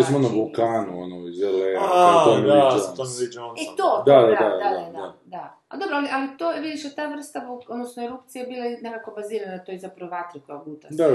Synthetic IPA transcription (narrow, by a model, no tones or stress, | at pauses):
esmonabulˠkaːnuonoizeleːnaaomait̪omid͡ʒonit̪od̪ad̪ad̪ad̪ad̪d̪ad̪a | a̰d̪o̞bɾoaliʔalit̪oːjeʋid̪iʃet̪aːʋr̩st̪abood̪nosnoeɾupt̪sijabilˠanekakobaziːɾanaat̪ojzapɾɐʋoʋat̪ɾikaobut̪ad̪a